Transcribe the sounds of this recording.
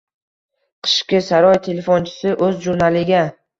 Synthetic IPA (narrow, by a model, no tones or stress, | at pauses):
qʰɨ̥ʃkʲɪsaɾɒjt̪ʰe̞lefont͡ʃʰɪ̥sɪʔɵzʒuɾnalɪɡʲa